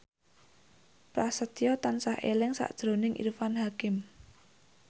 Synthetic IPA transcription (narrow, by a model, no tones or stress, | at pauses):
pɾasət̪ijɔt̪ansahelɪŋsa̰ʔd̥ʒ̥ɾo̤nɪŋʔḭrfanɦakɪm